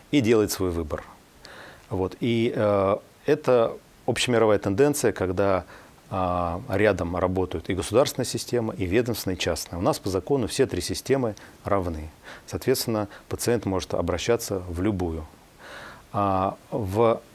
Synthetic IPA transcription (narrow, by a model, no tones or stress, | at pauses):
idʲe̞lˠəjɪt̪svo̞jvɨbər | vo̞t̪i | ɛt̪ə | opɕɪjəmʲɪɾɐvajət̪ɨnd̪ɛnt̪sɨjəkɐɡd̪a | ɾʲad̪əmrɐbo̞t̪əjʊt̪ɪɡəsʊd̪arsʲɪnəjəsʲɪsʲtʲe̞məʔivʲed̪əmsʲɪnəjt͡ɕasnəjəʊnaspəzɐko̞nʊfsʲet̪ɾʲisʲɪsʲtʲe̞mɨrɐvnɨsɐːt̪vʲe̞t̪st̪ʲɪnːəpət̪sɨɛnt̪mo̞ʐɨt̪ɐ̰bɾɐɕːat̪sːəvlʲʊbujʊ | av